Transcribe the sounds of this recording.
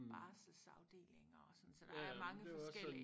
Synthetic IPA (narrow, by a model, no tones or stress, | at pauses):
ɑːslsɑ̈ʊd̥e̝̰ːle̝ŋɐːsɒ̽n̩sɒd̥ɑæmɑ̈ŋədefɒsḛi